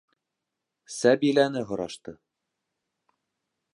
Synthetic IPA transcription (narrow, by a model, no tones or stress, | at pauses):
sæbilænɘɦŏɾɑʃt̪ɤ